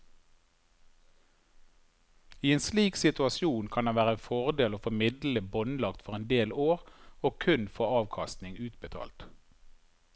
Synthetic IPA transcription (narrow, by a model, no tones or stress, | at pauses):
iːeːnsliːksɪt̪ʉɑsjuːnkʰɑnd̪ɛnʋæːʁəɛːnfɔʁd̪eːloːfɔmɪd̪ləbɔnlɑkt̪fɔʁɛnd̪eːloːʁoːkʰʉnfɔɑːʋkʰɑst̪nɪŋʉːt̪bət̪ʰɑ̰ːlt̪